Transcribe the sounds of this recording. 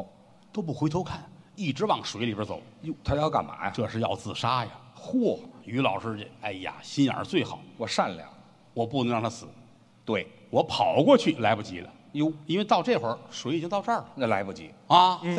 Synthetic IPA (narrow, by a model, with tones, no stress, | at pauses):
t̪o˥ʊp̬u˥˩xwe˧˥ɪt̪ʰo˥ʊkʰa˥˩ni˥˩ʈ͡ʂɻ̩˧˥wɑ˨˩ŋʂwe˧ɪli˨˩bə˧˥t͡so˨˩ʊjo˧t̪ʰa˥jɑ˥˧ʊka̰˨˩nma̰˧˥ʈ͡ʂɤ˥˧ʂɻ̩˥˧jɑ̰˥˧ʊt͡sɹ̩˥˩ʂa˥ja˨˩xwɔ˥˩y˧˥lɑ˨˩ʊʂɻ̩˥˧˩a˥˩ɪja̰˨˩ɕi˥nə̰˞˧˥t͡swe˥˩ɪxɑ˨˩˦ʊwɔ˨˩ʂa˥˩nljɑ̰˨˩˦ | wɔ˨˩pu˥˩n˧˥ŋɻɑ˥˧ŋnt̪ʰa˥sɹ̩˨˩˦ | t̪we˥˩ɪ | wɔ˧˥pʰɑ˨˩ʊkwɔ˥˧t͡ɕʰy˥˩la˧˥ɪpu˥˩t͡ɕḭ˧˥lə̰˨ | jo˧˥ʊi˥nwe˥˧ɪt̪ɑ˥˧ʊʈ͡ʂɤ˥˧xwə˧˥ʂwe˧˥ɪi˨t͡ɕi˥ŋt̪ʊʈ͡ʂə˥˩lə˨˩la˧˥ɪpu˥˩t͡ɕḭ˧˥a˧˩